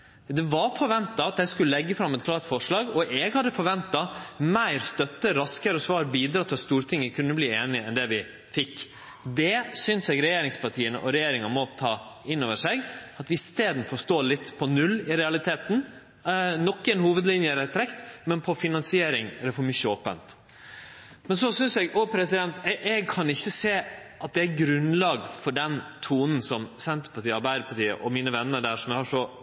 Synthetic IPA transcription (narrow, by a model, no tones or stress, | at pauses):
d̪ɛʋɑɾfɔɾʋɛnt̪ɑɑt̪ɛɪskʉlːəlɛɡːəfɾɑmːɛt̪̚kʰlɑːɾt̪fɔʂɭɑːɡɔʔɛɡhɑd̪ːəfɔɾʋɛnt̪ɑmæɪɾst̪œt̪ːəɾɑskəɾəɔsʋɑːɾbiːd̪ɾɑːt̪ʰːɪlst̪uːɾt̪ʰɪŋːəkʰʉnːəbliːeːnɪɛnd̪ɛʋɪ | fɪkː | d̪ɛsʏnsɛɡɾɛjeːɾɪŋspɑʈʰiːənə̰ʔɔɾɛjeːɾɪŋɑmɔt̪ʰɑː | ɪnːoːʋəʂæɪɡɑt̪ʋɪɪst̪eːd̪n̩əfɔst̪oːlɪt̪ːpʰɔnʉlːɪɾɛɑlɪt̪ʰeːt̪n̩ | nɔkːɛnhuːʋəd̪lɪnjəɾɛt̪ʰːɾɛkt̪mɛnpʰɔfɪnɑnsɪeːɾɪŋæɾɛfɔɾmʏçːəoːpə̰nt̪ | mɛnsɔsʏnsɛɡɔpʰɾɛsɪd̪ɛnt̪ɛʔɛɡ̚kʰɑnɪçːəseːɑt̪̚d̪ɛæɾɡɾʉnlɑːɡfɔɖɛnt̪ʰuːnən̩sɔmsɛnt̪əɾpɑʈiːəɑɾbæɪɾəpʰɑʈiːə̰ʔɔmiːnəʋɛnːəɖæːʂɔmjɛhɑʂɔ